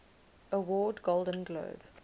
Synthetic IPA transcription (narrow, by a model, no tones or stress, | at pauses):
əwɔːdɡolˠdə̃nɡlo̰ːb